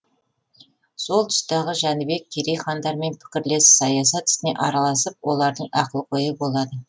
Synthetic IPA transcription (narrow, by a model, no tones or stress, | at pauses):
so̞lˠt̪ʰʊ̥st̪ɑʁəʒænɪbe̞k̚ʲʰːeɾejχɑnd̪ɑɾme̞npʰɪ̥kʲɪɾle̞ssɑjɑsɑt̪ɪ̥st̪ɪne̞̰ʔɑɾɑlˠɑsəp̚wo̞lˠɑɾd̪əɴɑqəlˠqʰo̞jəbo̞lˠɑd̪ə